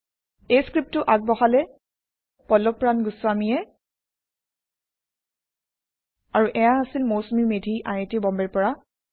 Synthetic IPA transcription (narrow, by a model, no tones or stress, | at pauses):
ejskɹip̚tʊʔaɡ̚bɔxalɛ | pɔlɔpɹanɡuswamiɛ | aɹuʔɛjaasilmowsmimedʱiʔa̰jetibɔmbɛɹpɔɹa